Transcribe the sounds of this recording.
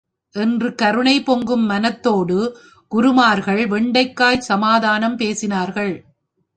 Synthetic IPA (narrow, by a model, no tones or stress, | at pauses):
ʔɛndrɯkɐɾɯɳɐɪpɔŋɡɯmːɐnɐt̪ːoːɽɯ | ɡ̥ʊɾɯmaːɾɣɐɭʋɛɳɖɐɪkːaːjsɐmaːðaːnɐmpeːsɪnaːɾɣɐɭ